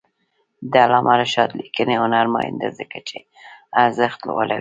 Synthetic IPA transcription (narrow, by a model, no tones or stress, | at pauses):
d̪əalɑmʔaɾaʃɑt̪likəneʊnaɾmɑjɪ̰nd̪a̰zəkat͡ʃe | aɾzaxt̪lo̰wə̰lawi